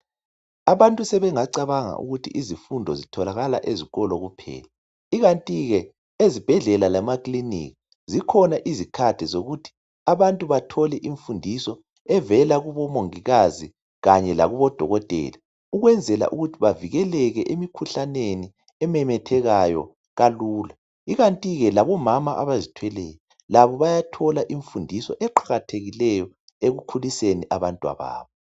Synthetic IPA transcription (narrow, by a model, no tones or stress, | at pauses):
aβantʼusɛβɛŋaǀaβaŋa̰ʔṵɣutʰḭʔizifundʱɔzitʰɔlaɣala̰ʔeziɣɔlɔɣupʰɛ̰ːla | iɣantʼiɣɛ | ezib̥ʱɛɮɛlalamaklinḭːki | zikʰɔnaʔizikʰad̥ʱɛzoɣutʰi̥ | aβantʼuβatʰɔlɛʔiɱfundʱisɔ | ɛvɛlaɣuβɔmoŋiɣazi | ɣaɲɛla̰ɣuβɔd̥ʱɔɣɔtʼɛ̰ːla | uɣwɛnd͡zʱɛla̰ʔuɣutʰiβaviɣɛlɛɣɛʔemikʰuɬaneni | ɛmɛmɛtʰɛɣajɔ̰ | ɣaluːla | iɣantʼiɣɛlaβɔmamaʔaβazitʰwɛlɛːjɔ | laβɔβajatʰɔlaʔiɱfundʱisɔʔɛǃaɣatʰeɣilɛjɔ | eɣukʰuliseniʔaβantʼwa̰βa̰ːβɔ